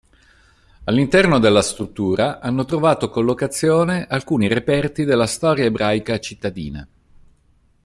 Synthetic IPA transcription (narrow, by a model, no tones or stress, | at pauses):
alːint̪ɛrnod̪elːast̪ɾut̪ːuːɾaʔanːot̪ɾovaːt̪okolːokat̪sːjoːneʔalkuːniɾepɛrt̪id̪elːast̪ɔːɾjaebɾʔajkat͡ʃit̪ːad̪ḭːna̰